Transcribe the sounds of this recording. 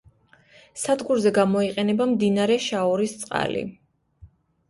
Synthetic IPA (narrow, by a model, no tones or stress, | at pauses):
sad̪ɡuɾzɛɡamɔiqʼɛnɛbamd̪inaɾɛʃaɔɾist̪sʼqʼa̰lḭ